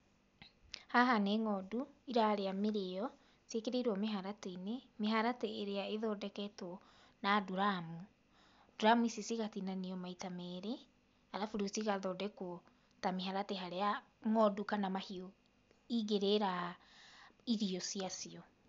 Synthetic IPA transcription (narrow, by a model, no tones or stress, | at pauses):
haɦaneŋɔduiɾaɾeameɾeɔ | siekeɾeiɾɔmeɦaɾatenemeɦaɾateːɾeaeðɔdɛkɛtɔ | naduɾamu | d̥uɾamuisesiɣatinaniɔmaitamɛɾe | aɾafuɾusiɣaðɔdɛko | tameɦaɾateɦaɾea | ŋɔdukanamahio | iɡeɾeɾa | iɾiɔsiasiɔ